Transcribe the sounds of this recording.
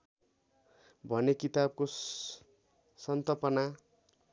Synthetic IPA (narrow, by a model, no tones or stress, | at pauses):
bʱʌnekit̪ab̚ko | sʌnt̪ʌlpʌna